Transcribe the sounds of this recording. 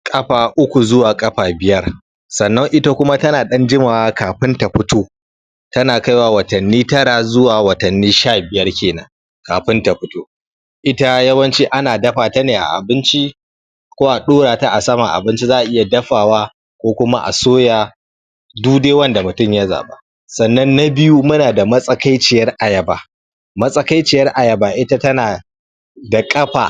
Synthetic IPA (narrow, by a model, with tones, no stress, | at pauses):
kʼɐ˦ɸaː˨ʔʊ˦kʷu˨zʊ˦waː˨kʼɐ˦ɸaː˨bɪ˨jɐ˦r | sɐ˨nːɐ˦ŋʔɪ˦ta˦kʷʊ˦ma˦tɐ˦naː˨ɗɐ˦nd͡ʒɪ˦maː˨waː˦kaː˨ɸɪ˦nta˨ɸʊ˦toː˦ | tɐ˦naː˨ka˦jwaː˦wɐ˨tɐ˨nːiː˦tɐ˦ɽa˨zʊ˦waː˨wɐ˨tɐ˨nːiː˦ʃaː˦˨bɪ˨jɐ˦rkʲeː˨nɐ̰˦ŋ | kaː˨ɸɪ˦nta˨ɸʊ˦toː˦ | ʔɪ˦ta˦jɐ˦wɐ˦nt͡ʃi˦ʔa˦naː˨dɐ˦ɸaː˨ta˦neː˨ʔa̰˨ʔa̰˨bɪ˦nt͡ʃi˦ | kʷoː˦ʔa˨ɗoː˦ɽaː˨ta˦ʔa˨sɐ˦ma˨ʔa̰˨bɪ˦nt͡ʃi˦zaː˦ʔa˨ʔɪ˦ja˨dɐ˦ɸaː˨waː˦ | kʷoː˦kʷʊ˦ma˦ʔa̰˨soː˦jaː˨ | duː˦deː˦wɐ˦nda˨mʊ˨tʊ˦˨mja˦za̰ː˨ba̰˦ | sɐ˨nːɐ˦nːa˦bɪ˦ju˦mʊ˦naː˨da˨mɐ˦sʼɐ˦ka˦jt͡ʃɪ˨jɐ˦rʔa˨jɐ˨ba˨ | mɐ˦sʼɐ˦ka˦jt͡ʃɪ˨jɐ˦rʔa˨jɐ˨baː˨ʔɪ˦ta˦tɐ˦naː˨ | da˨kʼɐ˦ɸa̰˨